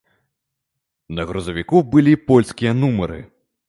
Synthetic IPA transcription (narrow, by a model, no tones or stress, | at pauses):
nɐɣɾuzɐvʲikubɨlʲipɔlʲskʲijɐnumɐɾɨ̰